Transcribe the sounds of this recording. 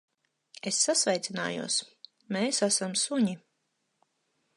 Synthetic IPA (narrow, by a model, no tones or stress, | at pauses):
esːasvɛjt̪sina̰ːjṵɔs | meːsasamsuɲi